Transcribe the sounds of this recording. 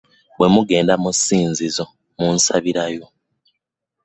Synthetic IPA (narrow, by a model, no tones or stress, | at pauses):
βwe̞muɡe̞ːndamusiːnzizo̞ | munsaβiɾajo̞